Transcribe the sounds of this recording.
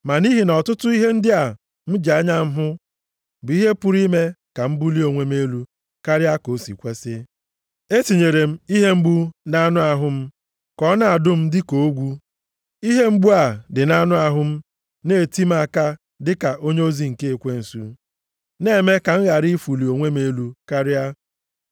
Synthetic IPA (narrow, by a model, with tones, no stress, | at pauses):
ma˨ni˦ɦi˨nɔ˨tʊ˦tʊ˦i˦ɦe˦n̩˦dɪ˦a˨ | m̩˦d͡ʒa˦ɲa˦m̩˦ɦʊ˦ | bʊ˨i˦ɦe˦pʊ˦ɾi˦me˦ka˨m̩˦bu˦li˦o˨ŋʷe˦me˦lu˦ | ka˦ɾɪ˦a˦ko˨sḭ˨kʷe˦sɪ˦ | e˦ti˨ɲe˨ɾe˨m̩˦i˦ɦe˦m̩˦ɡ͡bu˦na˦nʊ˦a˨ɦʊ˦m̩˦ | kɔ˦na˨a˨dʊ˦m̩˦dɪ˦ko˨o˦ɡʷu˦ | i˦ɦe˦m̩˦ɡ͡bu˦a˨dɪ˨na˦nʊ˦a˨ɦʊ˦m̩˦ | ne˦˨ti˦m̩˦a˨ka˦ | dɪ˦ka˨ʔo˦ɲe˦o˦zi˦ŋ̩˨ke˦e˨kʷe˦n̩˨su˦ | ne˦˨me˦ka˨ŋ̩˦ɣa˨ɾi˦fu˨li˨o˨ŋʷe˦me˦lu˦ka˦ɾɪ˦a˦